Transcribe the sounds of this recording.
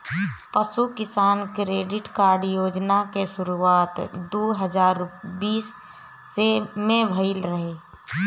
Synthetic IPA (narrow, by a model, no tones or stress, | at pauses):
pəʃukɪsaːnkɾeːɖɪʈkaːɾɖjoːd͡ʒnakeʃʊɾuaːt̪d̪oːɦəd͡ʒaːɾbiːsː | emẽbʱəɪlɾəɦeː